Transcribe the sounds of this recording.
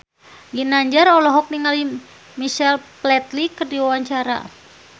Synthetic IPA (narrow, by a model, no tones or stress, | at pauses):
ɡinaɲd͡ʒaɾɔlɔɦɔk̚niŋali | miʃɛlplɛt̪likɨrdiwawaɲt͡ʃaɾa̰